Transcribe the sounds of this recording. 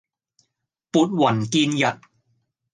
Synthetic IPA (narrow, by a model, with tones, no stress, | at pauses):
pu˨˩t̪̚wa˨˩˦nkiː˧nja˨˩t̪̚